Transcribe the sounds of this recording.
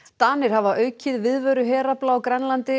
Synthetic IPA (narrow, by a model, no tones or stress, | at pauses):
t̪aːnɪɾ̥havaʔœːɥcʰɪðvɪðvœːɥɾʏɦɛːɾaplawkɾɛnlant̪ɪ